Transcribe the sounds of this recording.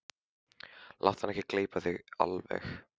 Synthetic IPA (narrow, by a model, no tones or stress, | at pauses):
lʔa̰wht̪hanɛhcɪkleːjpaθiɣa̰lvɛ̰x